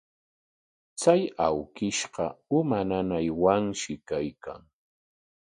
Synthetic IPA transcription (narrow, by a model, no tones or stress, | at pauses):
t͡sajawkɪʃɢɑʊmananajwaŋʃɪkajka̰ŋ